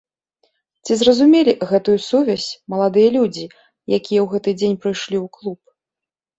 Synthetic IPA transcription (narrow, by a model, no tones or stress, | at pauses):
t͡sʲizrɐzumʲelʲiɣɛt̪ujusuvʲɐsʲmɐlˠad̪ɨjɐlʲud͡zʲi | jakʲijɐwɣɛt̪ɨd͡zʲenʲpɾɨjʂlʲiwklˠup̚